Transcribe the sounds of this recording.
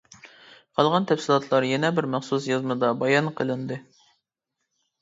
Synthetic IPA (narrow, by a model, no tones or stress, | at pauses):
qʰɑlˠʁɑnt̪ʰɛfsɪlˠɑt̪ʰlˠɑɾjɛnɛbɪɾmæχsusjɑzmɨd̪ɑbɑjɑnqʰəlˠɨnd̪ɨ